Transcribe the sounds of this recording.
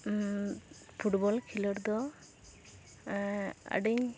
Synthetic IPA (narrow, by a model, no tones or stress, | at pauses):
pʰuʈbɔlkʰilɔɾd̪ɔ | a̰ɖiɲ